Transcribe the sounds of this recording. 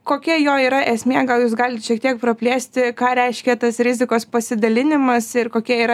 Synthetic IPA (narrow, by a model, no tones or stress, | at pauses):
koːkʲiɛjoːiːɾɐʔɛsʲmʲiɛɡɐlˠjuːs̬ɡɑːlʲɪt̪ʃʲiɛkt̪iɛk̚pɾɐpʲlʲeːsʲt̪ʲɪkɑːɾʲɛɪʃʲkʲɛt̪ɐsɾʲɪzʲɪkoːspɐsʲɪd̪ɐlʲɪnʲɪmɐsɪrkoːkʲiɛiːɾɐ